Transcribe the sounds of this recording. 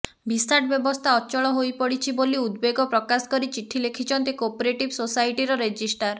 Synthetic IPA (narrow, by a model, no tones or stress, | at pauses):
bʱist̪aʈ̚bjɔbɔst̪ʰaɔt͡ʃɔɭɔɦojpɔɽit͡ʃʰiboliud̪beɡɔpɾɔkasɔ̥kɔɾit͡ʃiʈʰːilekʰit͡ʃʰɔnt̪ikopoɾeʈibsosajʈiɾɔɾed͡ʒisʈaɾ